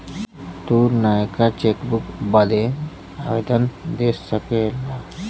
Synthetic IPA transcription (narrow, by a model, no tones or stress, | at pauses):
t̪uɾnajkat͡ɕekbukbad̪e | aʋed̪ənd̪esːəkela